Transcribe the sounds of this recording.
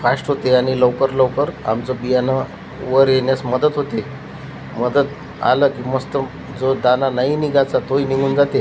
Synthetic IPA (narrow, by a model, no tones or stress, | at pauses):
fasʈɦot̪eaɽ̃ilowkəɾləwkəɾa̰mt͡sɔbijana | ʋəɾjeɳjasməd̪ət̪ɦot̪e | məd̪ət̪ | a̰ləkiːməst̪ə | d͡zod̪ananainiɡat͡sat̪oiniɡuːnd͡zat̪e